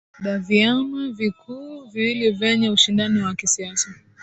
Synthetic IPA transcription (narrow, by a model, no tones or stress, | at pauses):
ɗaviamɛvikʰuːviilivɛɲɛuʃindaniwakisiasa